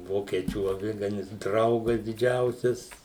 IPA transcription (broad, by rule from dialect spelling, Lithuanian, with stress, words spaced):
ˈʋoːkʲiɛt͡ʃʲuː ɐˈʋʲɪɡɐnʲɪs ˈdrɐʊɡɐs dʲɪˈd͡ʒʲɛʊsʲɛs